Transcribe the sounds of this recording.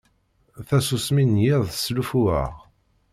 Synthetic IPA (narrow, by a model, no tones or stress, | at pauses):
θæsusminjɪðˤslufuə̰ʁ